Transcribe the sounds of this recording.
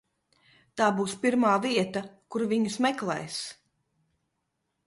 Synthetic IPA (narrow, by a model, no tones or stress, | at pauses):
t̪aːbuːspʲiɾmaːviɛt̪ɐkuɾviɲusmɛklˠɛ̰js